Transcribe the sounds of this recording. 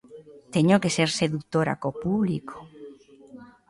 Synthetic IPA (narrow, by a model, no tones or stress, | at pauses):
t̪eɲokeseɾseðuk̚t̪oɾa̰kopuβliko̥